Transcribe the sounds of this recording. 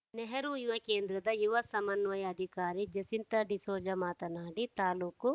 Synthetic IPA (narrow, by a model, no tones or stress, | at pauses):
nɛɦɐɾujjuʋɐkeːnd̪ɾɐd̪ɐjuʋɐsɐmɐnʋɐjɐːd̪ʱikaːɾid͡ʒɐsint̪ɐɖisoːd͡ʒɐmaːt̪ɐnaːɽit̪aːluːku